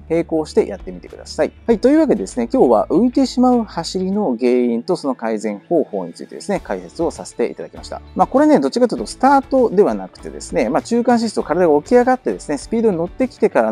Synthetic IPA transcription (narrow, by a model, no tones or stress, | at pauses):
he̞ːko̞ːɕi̥t̪e̞jʔa̰t̪ːe̞mit̪e̞kɯ̟d̪a̰saḭhait̪o̞jɯβake̞d̪e̞d̪esɨne̞kʲo̞ːβa̰ʔɯ̟it̪e̞ɕimaɯ̟haɕiɾʲino̞ɡe̞ːĩnt̪o̞so̞no̞kaizẽ̞ɰ̃ho̞ːho̞ːɲ̟it͡sɨ̰i̥t̪e̞d̪e̞sɨnekaise̞t͡sɨo̞sase̥t̪e̞̰ʔḭt̪ad̪akʲimaɕi̥t̪a̰maːko̞ɾe̞ned̪o̞t͡ɕikat̪ɯɯ̟t̪osɨ̥t̪aːt̪o̞d̪e̞βanakɯ̟̥t̪e̞̰d̪e̞̰sɨne̞maːt͡ɕɨːkãɰ̃ɕ̬ist̪okaɾad̪aɡao̞kʲiaɡat̪ːe̞d̪e̞sɨne̞sɨ̥pʲiːd̪o̞ɲ̟ino̞t̪ːe̞kʲi̥t̪e̞kaɾa